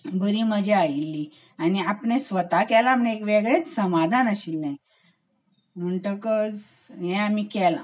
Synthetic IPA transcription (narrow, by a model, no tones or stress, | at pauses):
bəɾiːməd͡ʑʱeailːi | aniapɳẽsʋət̪akɛlamnekʋeɡɭet͡ssəmad̪ʱanəɕilnaj | m̤əɳʈəkɔd͡zɦɛ̃amikɛla